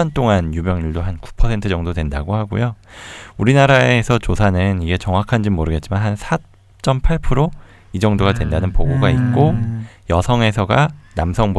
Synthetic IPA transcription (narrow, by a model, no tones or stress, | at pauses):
ʌnt͈oŋanjumjʌŋɲuɭdoɦanku̥pʰʌsʰe̞ntʰɯd͡ʑʌŋdodwe̞ndaɡohaɡṵjouɾinaɾaesʰʌt͡ɕosʰanɯniɡe̞t͡ɕʌŋwakʰand͡ʑimoɾɯɡe̞t̚t͡ɕimanɦansʰa | t͡ɕ͈ʌmpʰaɭpʰɯɾo | id͡ʑʌŋdoɡadwe̞ndanɯnpoɡoɡait̚k͈ojʌsʰʌŋe̞sʰʌɡanamsʰʌŋb